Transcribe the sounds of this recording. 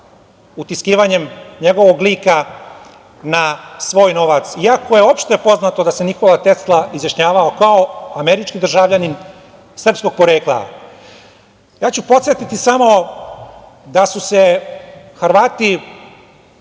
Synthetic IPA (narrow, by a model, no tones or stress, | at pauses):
ut̪iskiːʋaɲe̞mɲe̞ɡo̞ʋo̞ɡliːka | nasʋo̞ːjno̞ʋat̪siako̞je̞o̞pʃt̪ojpo̞znat̪o̞d̪ase̞ɲixo̞ʋat̪est̪lˠaizjaʃɲaːʋaokaoameɾit͡ʃkid̪r̩ʒaʋʎanin | sr̩psko̞ɡ̚po̞ɾeːklˠa̰ | jaːt͡ɕupo̞t̪sjet̪it̪isamo̞ | d̪asuse | xɾʋaːt̪i